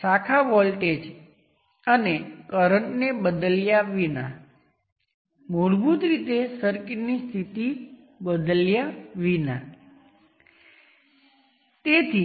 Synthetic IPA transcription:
sakʰaʋɔlʈed͡ʒ | ənekəɾəɳʈnebəd̪əljaʋina̰ | moɽbut̪ɾit̪esəɾkiʈnist̪ʰit̪i | bəd̪əljaʋina | t̪et̪ʰi

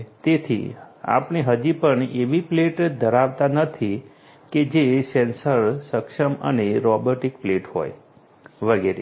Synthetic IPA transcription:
t̪et̪ʰḭa̰pɳeɦəd͡ʒipəɳeʋipleʈd̪ʱəɾaʋt̪anət̪ʰi | ked͡ʒesensəɾsəkʃəmə̰neɾɔboʈikpleʈɦo̰j | ʋəɡeɾe

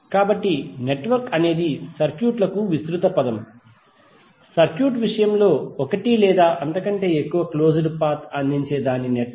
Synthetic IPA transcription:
kaːbɐʈːine̞ʈʋɐɾkɐne̞ːd̪isɐɾkjuːʈlɐkuʋist̪ɾut̪ɐpɐd̪ɐm | sɐɾkjuːʈʋiʂɐjɐmlo̞ːɔkɐʈilɛːd̪aːʔɐnt̪ɐkɐɳʈe̞ːekːuʋɐklo̞ːd͡ʒɐɽupaːɾt̪ʰɐnd̪ʱiɲt͡ʃe̞ːd̪aːnineʈ

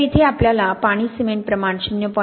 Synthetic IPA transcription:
it̪ʰeapljalapaɽ̃isimeɳʈ̚pɾəmaɳ̃ɕinjəpɔ

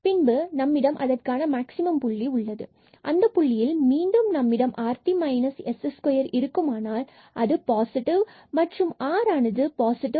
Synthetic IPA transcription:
pɪnbɯnɐmːɪɽɐmʔɐðɐrkaːnɐmaːksɪmɐmpʊɭːiʊɭːɐðɯ | ʔɐnd̪ɐpʊɭːɪjɪlmiːɳɖɯmnɐmːɪɽɐmʔaːɾt̪imɐɪnɐsɛsɛskɔjɐɾɪɾɯkːɯmaːnaːl | ʔɐðɯpaːsɪʈɪʋ | mɐʈrɯmaːɾaːnɐðɯpaːsɪʈɪ

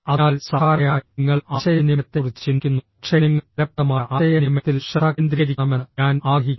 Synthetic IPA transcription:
ɐaːlsɐaːɾɐjaːŋːɐɭaɕɐjɐnimɐt̪ːerit͡ɕːt͡ɕiŋkʲːunːukʂeniŋːɐɐp̚t̪ɐmaːʔajɐnimɐt̪ːilʂɐaknd̪ɾiɾikʲɐmɐnaːnaːɡʱiː

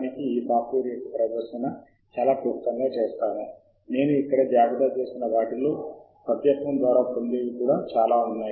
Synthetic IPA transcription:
nikiiːpaːpuːɾijɐkipɾɐʋɐɾʃɐnɐ | t͡ʃaːlaːpuːkt̪ɐŋɡaːt͡ʃeːst̪aːnu | ne̞ːnuikːɐɽɐd͡ʒjaːɡɐd̪at͡ʃe̞ːsinɐʋaːʈiloː | pɾɐt̪jɐt̪mɐmd̪ʋaːɾaːpond̪eʋikuːɽaːt͡ʃaːlaːunːaːji

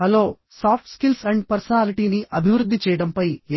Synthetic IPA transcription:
ɐlo̞ː | saːpʰʈskilsɐɳɖpɐɾsɐnaːliʈiːniʔɐbʱiʋɾud̪ːit͡ʃɛːjɐɽɐmpɐjeː

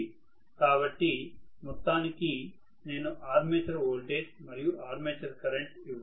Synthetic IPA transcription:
kaːbɐʈːimɔt̪ːaːniki | ne̞ːnuʔaːɾmeːt͡ʃɐɾoːlɖeːsmɐɾijuʔaːɾmeːt͡ʃɐɾkɐɾeɳʈiʋ

